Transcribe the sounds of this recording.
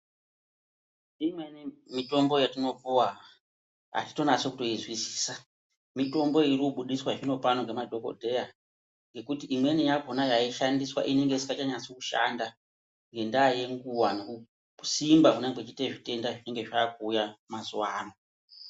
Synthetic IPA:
imwenimito̞mbo̞jatino̞puwa | a̰ti̥to̞nat͡so̞kuto̞izwisi̥ːsa | mito̞mbo̞irikuɓuɗiswaʐino̞panoŋɡe̞madʱo̞ko̞̰dʱe̞ja | ŋɡe̞kutiʔimwe̞nijaɡʱo̞najaiʃandiswa̰ʔine̞ŋɡeisikat͡ʃaɲasokuʃa̰nda | ŋɡe̞ndaːje̞ŋɡuwanoku | simbakuneŋɡet͡ʃiteʐite̞ndaʐine̞ŋɡe̞ʐakuːjamazuwaːno̞

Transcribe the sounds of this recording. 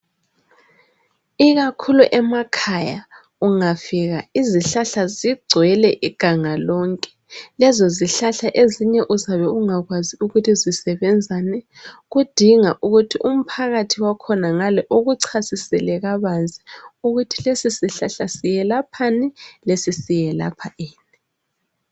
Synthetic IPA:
iɣakʰuluʔɛmakʰaja | uŋafiɣaiziɬaɬaziɡ͡ǀʱwɛlɛʔiɡ̥ʱaŋalɔŋkʼɛ̥ | lɛzɔziɬaɬaʔeziɲɛʔuzaβɛuŋaɣwaziuɣutʰizisɛβɛnd͡zʱanɛ | ɣud̥ʱiŋaʔuɣutʰiʔum̩pʰaɣatʰiwakʰɔnaŋalɛʔoɣuǀʰasisɛlɛɣaβand͡zʱiuɣutʰilesisiɬaɬasijɛlapʰanɛlesisijɛla̰pʰaʔeːni

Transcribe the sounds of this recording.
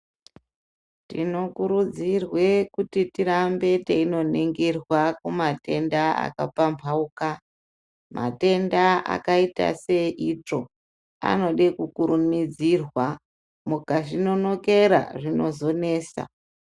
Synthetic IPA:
tino̞kuɾud͡zirwe̞kutitiɾambe̞teino̞niŋɡirwakumate̞ndaa̰kapampʰauka | mʔa̰te̞ndaʔa̰kaita̰se̞ʔit͡ʂo̞ | a̰no̞ɗekukuɾumid͡zirwa | mukaʐino̞no̞ke̞ɾa̰ʐino̞zo̞ne̞ːsa̰

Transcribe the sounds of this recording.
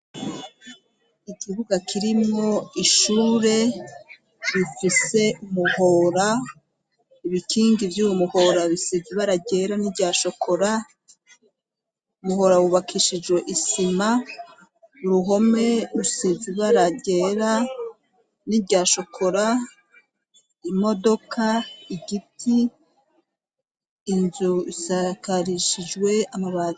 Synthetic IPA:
ikiβuɡakʰiɾimŋo̞iʃuːɾe̞ | ɾifise̞umuhoɾa | iβikʰiːŋɡivjuːwomuho̞ɾaβisiziβaɾaɟe̞ːɾaniɾɟaʃo̞kʰo̞ɾa | umuho̞ɾawuβakʰiʃid͡ʒwe̞ʔisima | uɾuɦo̞me̞ɾusiziβaɾaɟeːɾa | nibɟaːʃo̞kʰo̞ɾa | imo̞do̞kʰaiɟitʰi | nzuisakaɾiʃid͡ʒwe̞amaβaːzi

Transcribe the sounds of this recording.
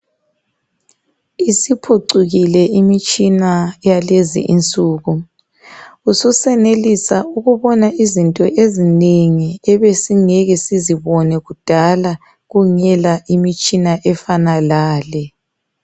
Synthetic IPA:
isipʰuǀuɣilɛimit͡ʃʼinajalezḭʔḭnt͡sʼuːɣu | ususɛnelisauɣuβɔnaʔizintʼɔʔezineŋiɛβesiŋɛɣɛsiziβɔnɛɣud̥ʱala | ɣuŋɛlaʔimit͡ʃʼinaʔɛfanalaːlɛ

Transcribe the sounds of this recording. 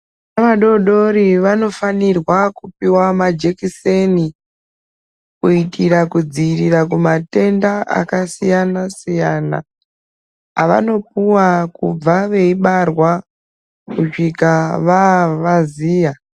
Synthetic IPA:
naʋaɗo̞ɗo̞ɾiʋano̞fanirwakupiwamad͡ʒekiseni | kuitʰiɾakud͡zirirakumate̞ndaʔa̰kasijanasijaːna̰ | aʋa̰no̞p̚uwakub͡vaʋe̞iɓarwa | kut͡ʃikaʋaʋaziːja

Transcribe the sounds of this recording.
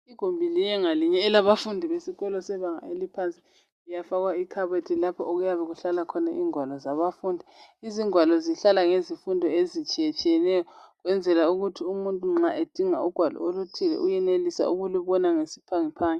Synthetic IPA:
iɡ̥ʱombʱilijɛŋaliɲɛːlaβafundʱiβesiɣɔlɔsɛβaŋa̰elipʰant͡sʼi̥ | ijafaɣwaikʰaβetʰilapʰɔʔoɣujaβɛɣuɬalakʰɔnaʔiːŋwalɔzaβafuːndʱiiziŋwalɔziɬalaŋezifundʱɔezit͡ʃʼiɛt͡ʃʼijɛnɛjɔɣwɛnd͡zʱɛlauɣutʰiumuntʼuŋ͡ǁaʔed̥ʱiŋauɡ̥ʱwalɔ̰olutʰilɛ̰ʔujɛnelisa̰uɣuluβɔnaŋesi̥pʰaŋipʰaːŋɛ

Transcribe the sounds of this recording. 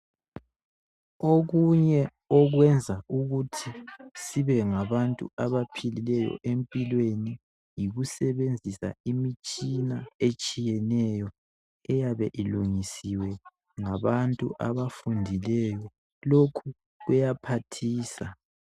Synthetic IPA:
oɣuɲɛ | ɔɣwɛnd͡zʱaʔuɣutʰisiβɛŋaβantʼṵaβapʰililɛjɔ̰ʔempʼilweni | jiɣusɛβend͡zʱisa̰imit͡ʃʼinaet͡ʃʼijɛnɛjɔ | ɛjaβɛʔiluŋisiwɛ | ŋaβantʼṵʔaβafundʱilɛjɔ | lokʰu | ɣɛjapʰatʰiːsa

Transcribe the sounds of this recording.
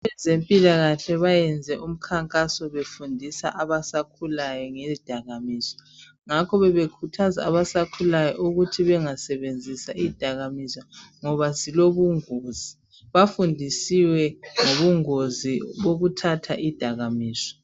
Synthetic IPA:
ɛzempʼilaɣaɬɛβajɛnd͡zʱɛʔum̩kʰaŋkʼasɔβefundʱisa̰ʔaβasakʰulajɔŋeid̥ʱaɣamiːsɔ̥ | ŋakʰɔβɛβekʰutʰaza̰ːβasakʰulajɔ̰ʔuɣutʰiβɛŋasɛβend͡zʱisaʔid̥ʱaɣamisaŋɔβasiloβuŋozi | βafundʱisiwɛŋoβuŋoziβoɣutʰatʰaʔid̥ʱaɣamiːsɔ̥

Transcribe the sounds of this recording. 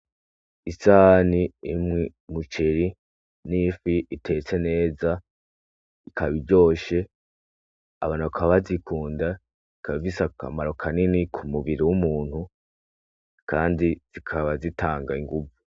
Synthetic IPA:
isaːniimŋi | mut͡ʃeɾi | nifiʔitʰe̞t͡se̞ne̞ːza | ikʰaβiɾɟo̞ːʃe̞ | a̰βaːnuβakʰaβazikʰuːnda | ikʰaβivisaka̰maɾo̞kʰaninikʰumuβiɾiwumuːn̥hu | kaːndiz̥ikʰaβazitaːŋɡaiŋɡuvu

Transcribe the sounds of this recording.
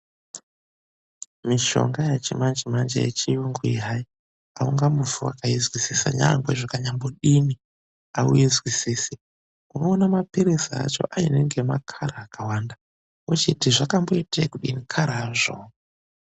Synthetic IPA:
miʃo̞̰ŋɡajat͡ʃimand͡ʒimand͡ʒḛjḛt͡ʃijuŋɡuiɦai | auŋɡamuvuwa̰kaizwisisa̰ɲa̰ŋɡweʐakaɲamboɗini | aujizwisisi | unoːnamapiɾisia̰t͡ʃo̞̰ʔaineŋɡemakʰaɾaːkʰawanda | ot͡ʃitiʐakambo̞itekuɗinikʰaɾaʐo

